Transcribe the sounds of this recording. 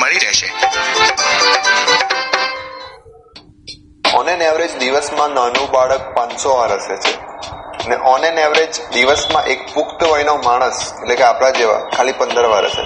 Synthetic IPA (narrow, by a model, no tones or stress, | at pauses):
məɭiɾɛʃḛ | ɔ̰neneʋɾed͡ʒd̪iʋəsmãnənũbaɭək̚pãnsoʋaɾəset͡ʃʰeəneʔɔneneʋɾed͡ʒd̪iʋəsmãʔekpʊkt̪əʋəjnomaɽ̃əsetlekeapɽ̃ad͡ʒeʋa̰kʰalipənd̪əɾʋa̰ɾə̰sḛ